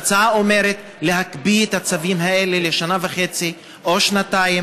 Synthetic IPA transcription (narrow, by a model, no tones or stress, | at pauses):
t͡saaomeɾet̪ | le̞ɦakbiet̪hat͡savimɦae̞le̞leʃanavaχet͡si | ʔoʃnat̪ajim